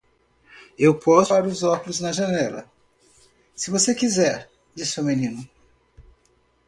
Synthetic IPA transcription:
ewpɔsaɾʊzɔkulʊznɐʒɐnɛlɐ̰ | sɪvosekizɛɾ | d͡ʒisɪuminĩnʊ

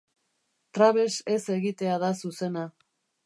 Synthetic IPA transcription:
t̪ɾaβe̞se̞se̞ɣit̪e̞aðasuse̞na

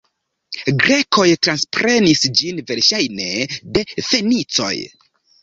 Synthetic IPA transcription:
ɡɾe̞ko̞jtɾanspɾe̞nisd͡ʒinve̞ɾʃajne̞de̞fe̞nit͡so̞̰j

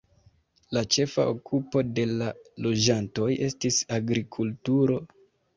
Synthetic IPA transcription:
lat͡ʃe̞fa̰ʔokupo̞de̞lalo̞d͡ʒanto̞je̞stisaɡɾikʰultuɾo̞

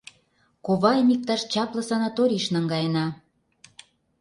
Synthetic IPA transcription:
koβɑemik̚t̪ɑʃt͡ɕɑplɤ̆sɑnɑt̪oɾʲiʃnəŋɡɑjənɑ

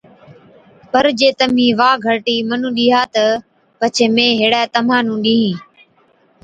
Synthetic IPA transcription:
pəɾd͡ʒeːt̪əmĩːʋaːɡʱəɾʈiːmənũːɗiːɦaːt̪ə | pət͡ʃʰeːmẽːɦeːɽaːt̪əmãːnũːɗĩːɦĩː

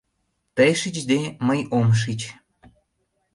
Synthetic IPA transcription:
t̪əjʃit͡ɕd̪eməjomʃ̬it͡ɕ

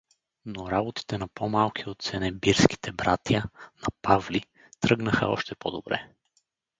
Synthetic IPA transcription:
noɾabot̪i̥t̪ɛnɐpomalˠkiot̪t̪sɛnɛbiɾski̥t̪ʰɛbɾat̪jənɐpavli | t̪ɾɤɡnəxə̰ɔ̰ʃt̪ɛpod̪obɾɛ̰

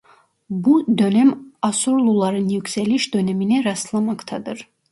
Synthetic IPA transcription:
bud̪ønɛmɑsuɾlˠulˠɑɾɯnjykʲsɛliʃd̪ønɛminɛɾɑst̪lˠamɑkt̪ʰɑd̪ɯɾ

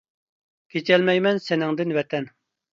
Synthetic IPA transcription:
kʲʰet͡ʃɛlmɛjmɛnsɪnɪŋd̪ɪnvɛt̪ʰɛn

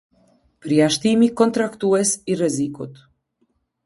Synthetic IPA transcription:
pəɾjaʃt̪imikɔnt̪ɾakt̪uɛsirɛzikut̪

